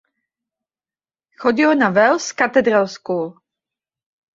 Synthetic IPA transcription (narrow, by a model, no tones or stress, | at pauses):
xoɟɪlonavɛlskat̪ɛd̪ɾalsku